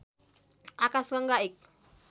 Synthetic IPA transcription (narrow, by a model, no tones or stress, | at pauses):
akaskaŋɡaik̚